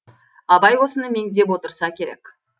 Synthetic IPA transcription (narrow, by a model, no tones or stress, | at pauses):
ɑbɑjwo̞sənəme̞ŋd̪e̞pwo̞t̪əɾsɑkʲʰe̞ɾḛkʲ